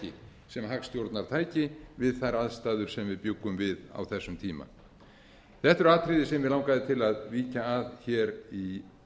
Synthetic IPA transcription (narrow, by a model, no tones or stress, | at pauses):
ɪ̰ | sɛmɦakst̪jowɾt̪naɾ̥t̪ʰaːjcɪvɪðθajɾaðst̪aːðʏɾ̥sɛmvɪðpjʏkːʏmvɪða̰wθɛsːʏmt̪ʰiːma̰ | θɛht̪ɛɾaːt̪ʰɾɪðɪsɛmvɪlawŋkaðɪt̪ʰɪlaðviːcaːðçɛːɾi